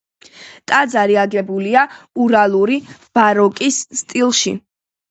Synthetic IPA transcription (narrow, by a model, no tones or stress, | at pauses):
t̪ʼad̪zaɾiaɡɛbuliauɾalˠuɾib̥aɾɔkʼisːt̪ʼilˠʃḭ